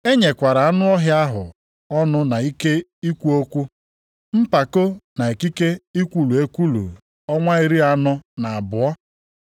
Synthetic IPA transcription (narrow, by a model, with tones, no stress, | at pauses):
e˦ɲe˨kʷa˨ɾa˨a˦nʊ˦ɔ˦ɦja˦ɦʊ˨ | ɔ˦nʊ˦na˨i˦ke˦i˦kʷu˦o˦kʷu˦ | m̩˦pa˨ko˦na˨e˨ki˦ke˦i˦kʷu˨lu˨e˦kʷu˦lṵ˨ | ɔ˦ŋʷa˦i˨ɾi˦a˨nʊ˦na˨a˨bʊ˨ɔ˦